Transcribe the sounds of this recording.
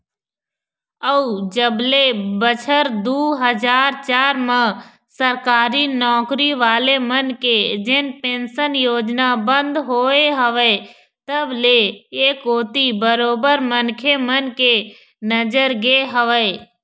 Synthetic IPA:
əud͡ʒəblebət͡ʃʰəɾd̪uːɦəd͡ʒaːɾt͡ʃaːɾmã | səɾkaːɾinɔːkɾiʋaːlemənked͡ʒɪnpẽːnsənjoːd͡ʒnabə̃nd̪ɦoːeɦəʋe | t̪əbleeːkoːt̪ibəɾoːbəɾmənkʰemənke | nəd͡ʒəɾɡeːɦəʋəe

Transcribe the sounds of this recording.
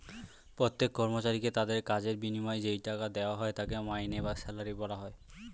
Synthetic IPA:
pɾot̪ːekːɔɾmot͡ɕaɾiket̪ad̪eɾkad͡ʑeɾbinimɔed͡ʑejʈakad̪eoaɦɔet̪akemajnebasɛlaɾibɔlaɦɔe

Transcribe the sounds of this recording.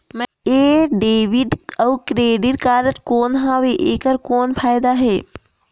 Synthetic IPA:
m | eːɖeːʋɪɖəwkɾeːɖiʈkaːɾəʈkoːnɦaːʋeʔeːkəɾkoːnpʰaːjd̪aɦɛː

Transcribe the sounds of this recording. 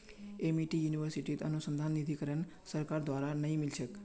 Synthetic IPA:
emiʈijuniʋəɾsiʈid̪ənusənd̪ʱanːid̪ʱikəɾəɳ | səɾkaɾd̪ʋaɾanəɦĩmilʃək

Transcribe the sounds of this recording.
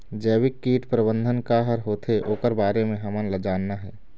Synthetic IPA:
d͡ʒəːwɪkːiːʈpɾəbə̃nd̪ʱənkaɦəɾɦoːt̪ʰeʔoːkəɾbaːɾemẽɦəmənləd͡ʒaːnːaɦɛː

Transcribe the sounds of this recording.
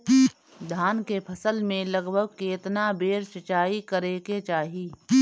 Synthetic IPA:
d̪ʱaːnkepʰɐsəlmẽlɐɡbʱəɡ̚keːt̪nabeːɾʃət͡ʃaːikəɾeːket͡ʃaːɦiː

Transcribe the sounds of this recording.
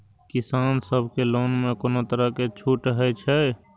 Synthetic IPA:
kisaːnsəbʱkeloːnmekoːnot̪əɾəket͡ʃʰuʈɦɛt͡ʃʰɛ

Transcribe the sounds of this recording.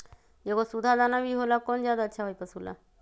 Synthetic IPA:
jekosud̪ʱad̪anaʋiɦolakɔnd͡zjad̪aətːɕʰaɦəjpəsula̰

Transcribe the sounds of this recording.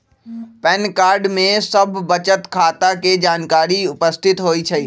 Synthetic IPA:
pɛːnkaːɾɖmẽsɐbʱːət͡ʃət̪kʰaːt̪aked͡ʒaːnkaːɾiʊpəst̪ʰɪt̪ɦoːit͡ʃʰɐi

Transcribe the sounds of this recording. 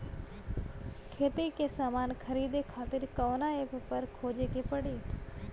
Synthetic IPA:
kʰeːt̪ikesaːmaːnkʰəɾiːd̪ekʰaːt̪ɪɾkəʋnaeppəɾkʰoːd͡ʒekepəɽiː

